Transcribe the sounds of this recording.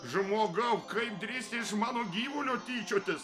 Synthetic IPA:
ʒʊmoːɡɐʊkɐɪp̚d̪ʲɾʲiːsʲt̪ʲɪɪʃmɑːnoːɡʲiːʋʊlʲoːt̪ʲiːt͡ʃʲoːt̪ʲɪs

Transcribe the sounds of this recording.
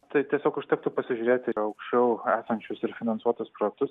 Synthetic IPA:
t̪ɐɪt̪ʲiɛsʲoːkɐʃt̪ʲɛkt̪ʊpɐsʲɪʒʲuːɾʲeːt̪ʲɪɐʊkʃʲt͡ʃʲɛʊæːsɐnʲt͡ʃʲʊsɪɾfʲɪnɐnsuɔt̪ʊspɾoːjɛk̚t̪ʊs

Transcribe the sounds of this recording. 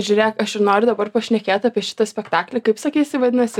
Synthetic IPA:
ʒʲʊɾʲeːkɐʃɪnoːɾʲʊd̪ɐbɐrpɐʃʲnʲɛkʲeːt̪ɑːpʲiɛʃʲɪ̥t̪ɐsʲpʲɛkt̪ɑːklʲɛkɐɪpsɐkʲiːsʲɪʋɐd̪ʲɪnɐsʲɪ

